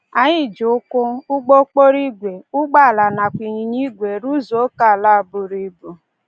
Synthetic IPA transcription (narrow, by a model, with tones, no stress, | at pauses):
a˨ɲɪ˦˨d͡ʒʊ˨ʊ˦kʊ˦ʊ˦ɡ͡bo˦k͡po˦ɾi˦ɡʷe˨ʊ˦ɡ͡ba˦˨la˨na˨kʷi˨ɲi˨ɲi˦ɡʷe˨ɾu˦zo˨˦ka˦˨la˦˨bʊ˨ɾi˦bu˨